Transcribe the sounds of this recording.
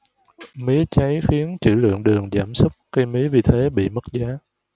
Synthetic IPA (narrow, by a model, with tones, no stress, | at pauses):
mi˨˦t͡ɕa˨˦jxi˨˦ənt͡ɕɨ̰˧˩lɨ̰˧˨əŋɗɨ˨˩əŋzaː˧˩msʊ˦˥k͡p̚kə˧jmi˨˦əvi˨˩t̪ʰe˨˦ɓḭ˧˨mə˦˥t̚zaː˨˦